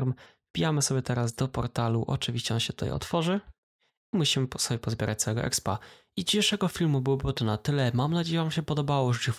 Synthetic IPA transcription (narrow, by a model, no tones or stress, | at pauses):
ɾm | pʲijamɘsɔbʲjɛt̪ɛɾazd̪ɔpɔɾt̪alṵʔɔ̰t͡ʂɘvʲiɕt͡ɕɛɔnɕɛt̪ut̪a̰jɔ̰t̪fɔʐɘ | imuɕimɘsɔbʲjɛpɔzbjɛɾʔat͡ɕ̚t̪sawɛɡɔʔɛ̰kspa̰ | id͡ʑiɕeʂɛɡɔfʲilmubɨwɔbɘwɔt̪ɔnat̪ɘlɛmamnad͡ʑejɛvamɕɛpɔd̪ɔbawɔʐɛi